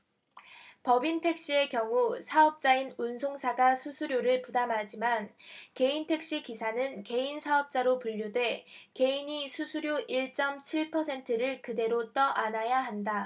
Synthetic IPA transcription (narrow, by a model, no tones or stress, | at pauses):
pʌbintʰe̞k̚ɕ͈ie̞kjʌŋusʰaʌp̚t͡ɕ͈ainunsʰoŋsʰaɡasʰusʰuɾjoɾɯɭpudamɦad͡ʑimanke̞intʰe̞k̚ɕ͈ikisʰanɯnke̞insʰaʌp̚t͡ɕ͈aɾopuʎːudwe̞ke̞iɲisʰusʰuɾjoʔiɭt͡ɕ͈ʌmt͡ɕʰiɭpʰʌsʰe̞ntʰɯɾɯɭkɯde̞ɾot͈ʌʔanajaɦanda